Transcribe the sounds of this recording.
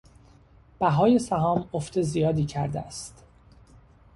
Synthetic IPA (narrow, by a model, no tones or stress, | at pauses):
b̥æɦɒːje̞sæɦɒːmoft̪e̞zijɒːd̪iːcʰæɾd̪ḛæst̪